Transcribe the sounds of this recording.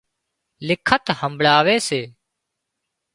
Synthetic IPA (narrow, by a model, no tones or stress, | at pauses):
lɪkʰət̪həmbʱɭaːʋeːseː